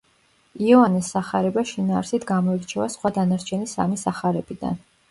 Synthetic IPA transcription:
iɛvanɛsːaχaɾɛbaʃinaːɾsit̪ʰɡamɔiɾt͡ʃʰɛvasχwad̪anaɾt͡ʃʰɛnisa̰misaχaɾɛb̥id̪̥a̰n

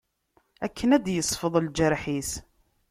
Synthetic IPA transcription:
ækʰːənæd̪jəsˤfəðˤld͡ʒəɾħis

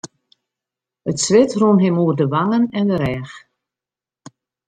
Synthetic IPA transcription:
ətsʋɪtruənɦɪmuərdəʋaŋənɛndəɾɛːx

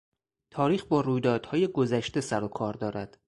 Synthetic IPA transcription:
t̪ʰɒːɾiːxbɒːɾuːjd̪ɒːd̪̥hɒːje̞ɡo̞zæʃt̪e̞sæɾo̞kʰɒːɾd̪ɒːɾæd̪̥

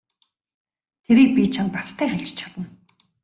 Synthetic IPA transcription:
t̪ʰeɾiːk̚pʲit͡ɕʰanpat̪t̪ʰːæːxæɮt͡ɕt͡ɕʰḁt̪ə̆n

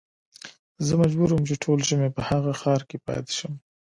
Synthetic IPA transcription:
zəmad͡ʒbuɾəmt͡ʃeʈʰolʒəmepəhaɣaxɑɾkepɑ̰t̪e̥ʃəm

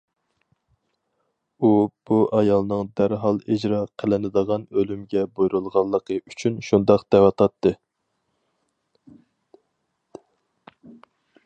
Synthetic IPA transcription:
ub̥uʔɑjɑlˠnɨŋd̪æɾɦɑlˠid͡ʒɾɑqʰəlɪnɨd̪əʁɑnølymɡʲɛbojɾulˠʁɑlˠːəqʰəyt͡ʃʰynʃund̪ɑqd̪̥ɛwɑt̪ʰɑt̪ːɨ

